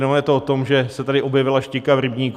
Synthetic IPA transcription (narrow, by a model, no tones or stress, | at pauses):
nojɛt̪oot̪o̞mʒɛsɛt̪adɪʔobjɛvɪlaʃcɪkavɾɪbɲiːk